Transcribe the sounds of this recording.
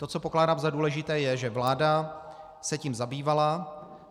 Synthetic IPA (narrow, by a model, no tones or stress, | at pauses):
t̪o̞t͡so̞po̞klaːdaːmzaduːlɛʒɪt̪ɛːjɛʒɛvlaːda | sɛciːmzabiːvala